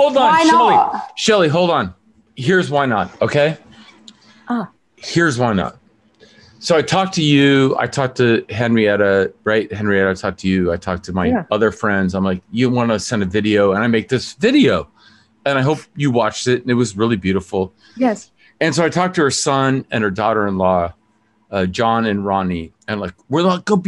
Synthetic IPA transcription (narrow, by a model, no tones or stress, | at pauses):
hoʊlˠdn̩ʃɛlˠiʃɛlˠiɦoʊlˠdn̩ | ɦiɹzwaɪnət̚oʊkʰeɪ | hiɹzwaɪnə̰t̚ | soʊaɪtʰɔk̚tʰɨjʉa̰ɪtʰɔk̚tʰɨɦɛ̃nɹiɛɾɨɹaɪt̚hɛ̃nɹiɛɾɨtʰɔk̚tʰɨjʉaɪtʰɔk̚tʰɨmaɪʌðə˞fɹɛ̃ndzãɪ̃mlaɪkjɨɾ̃nwɑ̃nɨsɛ̃ndɨvɪɾioʊə̃ñaɪmeɪk̚ðɪsvɪɾioʊ | ɨ̃ñaɪɦoʊp̚jɨwɑt͡ʃtɪtn̩ɨt̚wʌzɹɪlˠibjʉɾəfl̩ˠ | jɛs | ɨ̃nsoʊaɪtʰɔk̚tʰɨə˞sʌ̃nɨ̰̃nə˞dɔɾə˞ɨ̃nlɔ | ʌd͡ʒɑ̃nɨ̃nɹɑni | ɨ̃mlaɪkwɪɹlaɡ̥oʊ